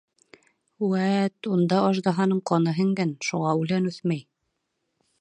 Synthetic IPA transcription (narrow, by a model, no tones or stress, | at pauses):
wæt̪und̪ɑɑʒd̪ɑɦɑnɤɴqɑnɤɦɘ̆ŋɡænʃuʁɑʉlænʉθmæj